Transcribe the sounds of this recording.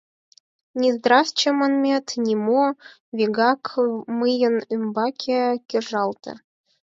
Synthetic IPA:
nʲizd̪rɑst͡ɕĕmə̆nmʲet̪nʲimo | vʲiɡɑkmɨjə̆nymbɑkʰʲekʲeʐɑlˠt̪ɤ̰

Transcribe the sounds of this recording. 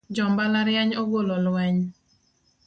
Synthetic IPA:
d͡ʒɔmbalaɾjaɲɔɡolɔlwɛɲ

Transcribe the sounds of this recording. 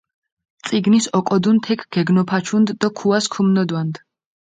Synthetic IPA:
t̪sʼiɡnisɔkʼɔd̪unt̪ʰɛkʰɡ̥ɛɡnɔpʰat͡ʃʰund̪ːakʰuaskʰumnɔd̪wand̪

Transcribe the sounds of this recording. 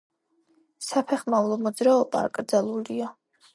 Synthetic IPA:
sapʰɛχmavlˠɔmɔd̪zɾaɔba̰ːkʼɾd̪zalˠulia

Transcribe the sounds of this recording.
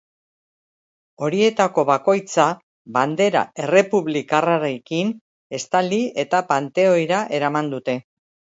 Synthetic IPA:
o̞ɾie̞t̪ako̞βako̞jt͡sa | βand̪e̞ɾa̰e̞re̞puβlikaraɾekin | e̞st̪alie̞t̪apant̪e̞o̞jɾaʔe̞ɾamand̪ut̪e̞

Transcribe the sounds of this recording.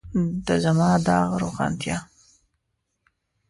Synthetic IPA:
d̪əzamɑd̪ɑɣɾoxɑ̰nt̪jɑ

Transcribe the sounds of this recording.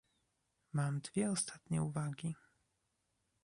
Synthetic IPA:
mamd̪vʲjɛɔst̪at̪ɲɛ̰uvaɡʲi

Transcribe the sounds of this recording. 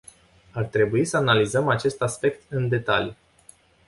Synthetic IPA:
art̪ɾe̞buisəanalizəmat͡ʃe̞st̪aspe̞kt̪ɨnd̪e̞t̪alij

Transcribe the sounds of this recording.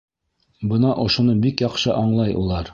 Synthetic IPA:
bɤnɑʔŏʃunɤbikjɑqʃɤʔɑɴlˠɑjṵlˠɑɾ

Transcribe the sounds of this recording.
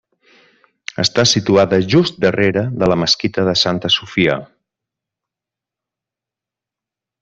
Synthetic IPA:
ə̰st̪asit̪uaðəʒust̪̚d̪əreɾəðələməskit̪əðəsant̪əsufiə̰

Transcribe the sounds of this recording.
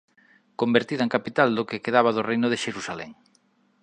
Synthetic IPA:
kombeɾt̪iðaeŋkapit̪ald̪okekeðaβ̞aðorejnʊðeʃeɾusalɛ̰ŋ

